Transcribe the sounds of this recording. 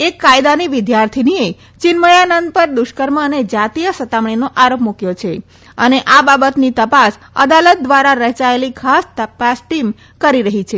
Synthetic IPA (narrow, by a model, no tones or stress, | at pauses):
ekːajd̪aniʋɪd̪jaɾt̪ʰinie | t͡ʃɪnməjanənd̪̚pəɾd̪ʊʃkəɾməəned͡ʒat̪ijəsət̪amɳ̃inoʔaɾopmukjot͡ʃʰe | əneʔababət̪nit̪əpas | ə̰d̪alət̪̚d̪ʋaɾaɾəɦt͡ʃaelikʰast̪əpasʈim | kəɾiɾəɦit͡ʃʰe